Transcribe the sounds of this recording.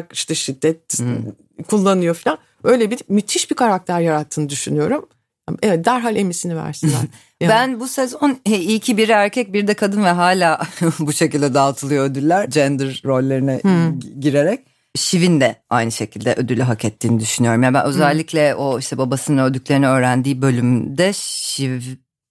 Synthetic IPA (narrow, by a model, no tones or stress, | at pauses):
ki̥ʃt̪ɛʃid̪ːɛt̪̚ | kʰulˠːanɯjo̞filʲan | ø̞jlʲebiimit̪ʰiʃbikʰaɾak̚t̪ʰæɾjaɾat̪ʰːɯːnɯd̪yʃynyjo̞ɾum̰ | evɛt̪̚d̪æɾɦalʲe̞misinivæ̰ɾsin̰n | bænbusezonɛijcʰibiɾæɾcʰɛc̚biɾd̪ɛkʰad̪ɯnvɛɦaːlʲaːbuʃe̞cilʲd̪ɛd̪alˠt̪ʰɯlˠɯjoød̪ylʲːæɾd͡ʒɛnd̪ɯɾːo̞lʲːeɾinɛɟiɾeɾɛc̚ | ʃivind̪ɛajnɯʃe̞cʰilʲd̪ɛʔød̪ylʲyɦacʰɛt̪ʰːiːnid̪yʃynyjo̞ɾumjaːbæ̰nʔø̞zælʲːicʰlʲɛo̞iʃt̪ɛbabasɯnaød̪yc̚lʲe̞ɾinɛø̞ːɾænd̪iːbø̞lʲymd̪ɛʃiv